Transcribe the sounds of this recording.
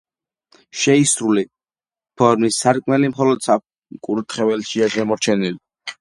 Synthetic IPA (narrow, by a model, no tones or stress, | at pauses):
ʃɛisɾuli | pʰɔɾmisːaɾkʼmɛlimχɔlɔd̪̥sa | kʼuɾut̪ʰχɛvɛlʃiaʃɛmɔɾt͡ʃʰɛnili